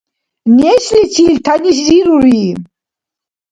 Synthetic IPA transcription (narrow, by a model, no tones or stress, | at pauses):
nɛʃlit͡sʰilt̪ʰanis̬ziɾuɾiː